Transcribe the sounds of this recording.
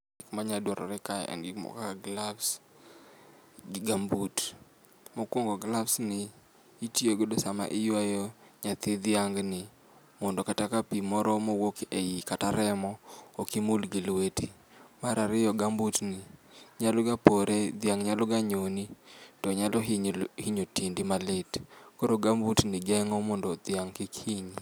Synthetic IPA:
ɡɪkmaɲadwɔɾɔ̰ɾɛkaj̰ɛ̰nɡɪkmɔ̰kaaɡlabs | ɡambut | mokwoŋɡɔɡlafsnɪ | itioɡodɔsama̰ʔɪjwajɔɲat̪ɪd̪ɪaŋɡnɪ | mɔndɔkatakapimɔɾɔmowokeikataɾɛmɔokimulɡilweti | maɾaɾɪjɔɡambutnɪɲalɔɡapoɾed̪jaŋɲalɔɡaɲonitɔɲalɔɦɲhiɲotindimalɪtkoɾoɡambutnɪɡɛŋɔmɔndɔd̪jaŋkɪkiɲ

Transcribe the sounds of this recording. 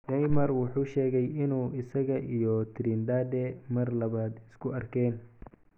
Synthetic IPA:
dɛjmɐrwʊħuːʃɛːɣɛjɪnuːɪsɐɣɐʔijɔt̪ʰɪɾiːnd̪aːd̪ɛmɐrlɐβaːd̪ɪskʰʊɐrkʰɛːn

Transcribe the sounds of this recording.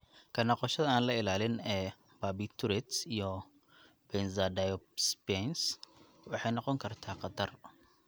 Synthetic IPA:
kʰɐnɐqɔʃɐðɐaːnlɐɪlaːlɪnɛ | babit̪ʰuɾɛt̪sijɔ | bɛnzadajɔspɛns | wʊħejnɔqɔŋkʰɐɾt̪ʰaːqɐt̪ʰɐr

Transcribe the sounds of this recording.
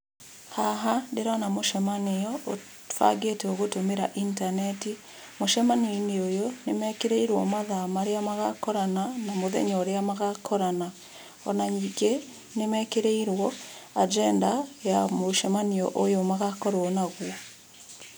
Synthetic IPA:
haɦandeɾanamoʃɛmaneɔo | fa̰ɡeteoɣotomeɾaʔintanɛti | moʃɛmaniineojonemɛkeɾeiɾwɔ̰maðamaɾeamaɣakɔɾananamoðɛ̰ɲɔɾeamaɣakʰɔɾana | ɔ̰naɲiɡe | nemɛkeɾeiɾwɔad͡ʒɛndajamoʃɛmaniɔ̰ʔojomaɣakɔɾwɔnaɣwɔ

